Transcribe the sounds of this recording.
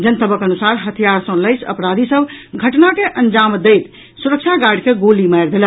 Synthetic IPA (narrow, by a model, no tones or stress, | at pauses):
d͡ʒənsəbəkənusaɾɦət̪ʰijaɾsə̃ləɪsə̰pɾad̪isəbɡʱəʈnakeʔənd͡ʒamd̪ejt̪ | suɾək̚t͡ʃʰaɡaɽkeɡolimajɾd̪elə